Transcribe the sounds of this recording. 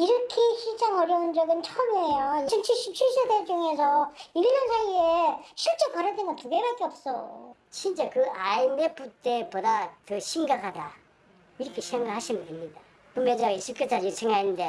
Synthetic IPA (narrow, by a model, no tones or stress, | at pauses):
iɾʌkʰeɕid͡ʑaŋʌɾjʌɯnd͡ʑʌɡɯnt͡ɕʰʌɯmejoiɯnt͡ɕʰiɕ͈ip̚t͡ɕʰiɭs͈oded͡ʑuŋe̞sʰʌilɲːʌnsʰaieɕʰiɭt͡ɕ͈ekʌɾʌdenɡʌntuɡe̞bak͈eʌp̚s͈ʌo̰ | ɕʰint͡ɕ͈ekɯʔaimeput͈e̞podatɯɕʰiŋɡakʰada | iɾʌkʰe̞sʰeŋɡakhaɕʰimɯnemɲida | kɯmed͡ʑaɡeɕʰɯp̚k͈jot͡ɕ͈ʰad͡ʑit͡ɕʰeŋaennde